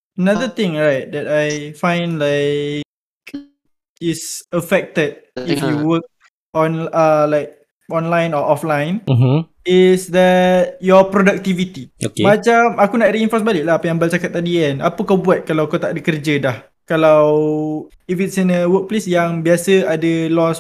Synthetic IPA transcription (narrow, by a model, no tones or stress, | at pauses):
ənaðət̪ɪ̃ŋɹajt̪̚dɛt̚ajfãjnlaɪk | isəfɛk̚t̪əd̚ifjuwək̚ | ɔ̃nəlajk̚ | ɔ̃nlajnɔʔɔflãjn̩m | ɪsd̪ɛt̚jɔpɾodak̚t̪ivit̪iokemat͡ʃamakunaʔ̪̚riinfɔsbaliʔ̚laɦapəjãŋbalt͡ʃakat̪̚ːadiɛnapəkawbuat̪̚kalawkawt̪aʔdəkərd͡ʒədah | kalaw | ifit̚sinəwək̚plesjaŋbiasəadəlɔs